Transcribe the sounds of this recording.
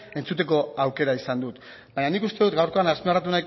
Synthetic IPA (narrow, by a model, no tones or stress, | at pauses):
e̞nt͡sut̪e̞ko̞awke̞ɾaisand̪ut̪ | baɲanikust̪e̞ðut̪ɡawɾko̞anaspearat̪̬unajk